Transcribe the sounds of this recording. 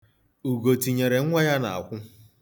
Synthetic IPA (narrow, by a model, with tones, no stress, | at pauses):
u˨ɡo˨ti˨ɲe˨ɾe˨ŋ̩˦ŋʷa˦ja˦na̰˨a̰˨kʷʊ˦